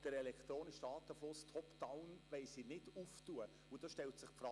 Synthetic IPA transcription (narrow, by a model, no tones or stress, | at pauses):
d̥əɾɛlɛkχt̪ɾoːnɪʃdɑːt̪əflʊstʰɔpd̥aʊnʋɛɪsinɪduftuə | ʊd̥ɑʃtɛltsɪχpfɾɑ